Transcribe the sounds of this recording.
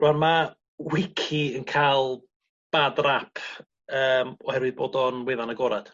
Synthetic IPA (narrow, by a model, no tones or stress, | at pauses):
rɔnma | wɪkʰiənkʰalˠ | b̥adrapʰ | əːmɔhɛɾwɨðboːdɔnwɛðanaɡɔɾad̥